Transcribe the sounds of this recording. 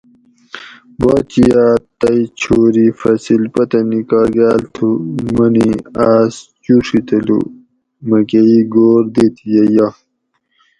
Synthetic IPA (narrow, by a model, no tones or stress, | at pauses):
baːt͡ɕijaːt̪ɐit͡ɕʰoːɾifɐsilpɐt̪ɐnikaːɡaːlt̪ʰumɐniaːst͡ɕuʂit̪ɐlṵ | mɐkeiɡoːɾd̪et̪ʰijɐja